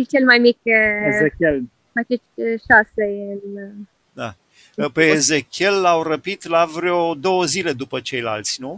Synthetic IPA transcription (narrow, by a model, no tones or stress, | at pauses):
lt͡ʃelmajmikezekʲel | at͡ʃetʲʃaseɨn | d̪a | peːzekʲe̞lːawrəpit̪lavɾeod̪o̞wəzile̞d̪upət͡ʃe̞jla̰lt̪sʲnu